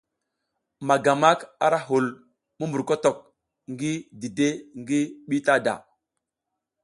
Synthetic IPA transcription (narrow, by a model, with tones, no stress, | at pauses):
ma˨ɡa˨ma˦ka˦ɾa˦ɦu˨l | mu˦mbu˨ɾko˦to˨k̚ | ŋɡi˦di˨de˦ŋɡi˦ɓi˦ta˦da̰˨